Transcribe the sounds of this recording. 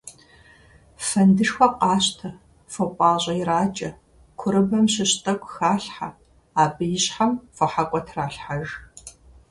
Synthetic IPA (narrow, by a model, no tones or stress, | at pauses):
fɐndɨʂxʷɔqɑːɕtʰɐ | fopʷʼɑːʑʼɐjɪraːt͡ʃʼɐ | kʷʰʊɾɨbɐmɕɪɕtʼɐkʷʼxaːɬħa | aːbɨjɪɕħamfɐħakʷʼɔtʰraːɬħaʒ